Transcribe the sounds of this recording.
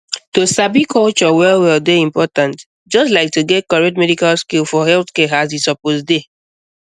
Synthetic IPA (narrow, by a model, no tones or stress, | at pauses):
tosabikʰɔlt͡ʃɔwɛlwɛldeĩmpɔtãnt | d͡ʒɔstlaɪk̚tuɡɛt̚kɔɹɛtmɛdikalskilfɔhɛlθkɛasisɔposde